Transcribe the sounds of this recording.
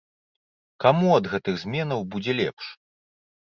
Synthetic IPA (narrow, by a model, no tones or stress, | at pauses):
kamuɐd̪ɣɛt̪ɨɣzʲmʲɛnɐwbud͡zʲɛlʲɛ̰pʂ